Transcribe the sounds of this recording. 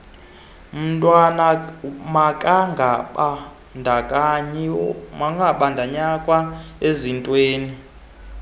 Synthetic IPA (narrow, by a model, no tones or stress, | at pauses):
m̩tʼwanamakʼaŋɡa | ndʱakʼa | maŋɡʱaɓandʱaɲakʼwaezintʼweːni